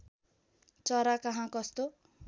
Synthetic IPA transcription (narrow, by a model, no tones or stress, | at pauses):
t͡sʌɾakʌɦãkʌst̪o